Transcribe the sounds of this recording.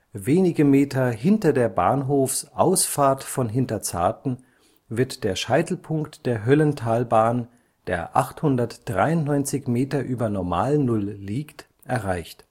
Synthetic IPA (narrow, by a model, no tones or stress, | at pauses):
veːnɪɡəmeːtʰɐɦɪntɐdeːɐba̰ːnɦoːfsʔaʊsfaːɐtfɔnɦɪntɐt͡sa̰ɐtn̩ | vɪɐtd̥eːɐʃaɪtl̩pʰʊŋktd̥eːɐɦœləntʰaːlbaːn | d̥ḛːɐʔa̰χthʊndɐtd̥ʁaɪʊntnɔʏnt͡sɪçmeːtɐʔyːbɐnɔɐma̰ːlnʊlːiːkt | ʔɛɐʁaɪçt